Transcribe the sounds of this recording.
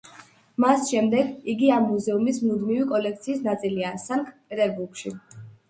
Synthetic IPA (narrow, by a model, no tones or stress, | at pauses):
masʃɛmd̪ɛɡiɡiamːuzɛumismnud̪mivikʼɔlɛk̚ʰt̪sʰiːsnat̪sʼiliasaŋkʰʼpʼɛt̪ʼɛɾbuɾkʃḭ